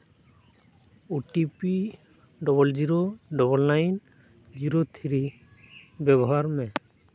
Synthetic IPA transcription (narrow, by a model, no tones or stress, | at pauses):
uʈipi | ɖɔbɔld͡ʒiɾoɖɔbɔlnajn | d͡ʒiɾot̪ʰiɾi | bɛbɔɦaɾmɛ